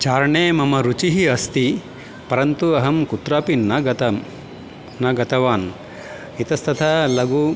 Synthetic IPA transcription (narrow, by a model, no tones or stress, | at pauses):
t͡ʃaːɾɐɳeːmɐmɐɾut͡ʃiɦiɐst̪i | pɐɾɐnt̪uɐɦɐmkut̪ɾaːpinɐɡɐt̪ɐm | nɐɡɐt̪ɐʋaːn | it̪ɐst̪ʰɐt̪ʰɐlɐɡu